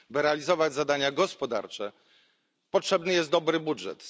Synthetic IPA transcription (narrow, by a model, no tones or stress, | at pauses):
bɘɾɛalʲizɔvad͡ʑzad̪aɲaɡɔspɔd̪a̰ɾt͡ʂɛ | pɔtʂɛbnɘjɛst̪d̪ɔbɾɘbudʐɛ̰t̪